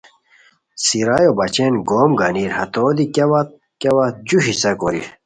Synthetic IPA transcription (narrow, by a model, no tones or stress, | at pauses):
siɾajobɐt͡ɕenɡoːmɡɐniɾhɐt̪oːd̪ikɐwat̪̚ | kɐwɐd͡ʑuɕisɐkoɾḭ